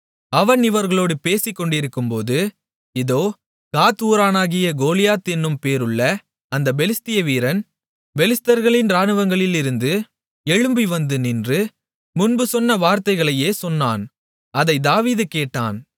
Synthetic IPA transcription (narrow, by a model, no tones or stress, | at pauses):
ɐʋɐnɪʋɐɾɣɐɭoːɽɯpeːsɪkːɔɳɖɪɾɯkːɯmpoːðɯ | ɪðoː | kaːt̪uːɾaːnaːɣɪjɐɡoːlɪjaːt̪ɛnːɯmpeːɾɯɭːɐ | ɐnd̪ɐbɛlɪst̪ɪjɐʋiːɾɐn | bɛlɪst̪ɐɾɣɐɭɪnɾaːnɯʋɐŋɡɐɭɪlɪɾɯnd̪ɯ | ɛɻɯmbiʋɐnd̪ɯnɪndrɯ | mʊnbɯsɔnːɐʋaːɾt̪ɐɪɣɐɭɐjeːsɔnːa̰ːn | ɐðɐɪd̪aːʋiːðɯkeːʈːa̰ːn